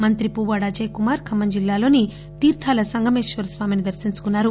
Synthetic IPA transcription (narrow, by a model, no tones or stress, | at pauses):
mɐnt̪ɾipuːʋaːɽɐd͡ʒɐjkumaːɾkʰɐmːɐɲd͡ʒilːaːlo̞ːni | t̪iːɾt̪ʰaːlɐsɐŋɡʱɐmeːʃʋɐɾsʋaːminid̪ɐɾsiɲt͡ʃu̥kunːaːɾu